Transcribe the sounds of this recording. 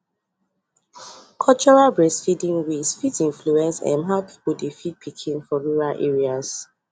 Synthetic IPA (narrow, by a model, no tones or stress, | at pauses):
kʰɔt͡ʃɔɹalbɹɛsfidĩŋwisfitĩnfluɛ̃nsɛ̰̃nɦaʊpʰi̥puldifit̚pʰikʰĩnfɔɹuɹalʔɛ̰ɹiaz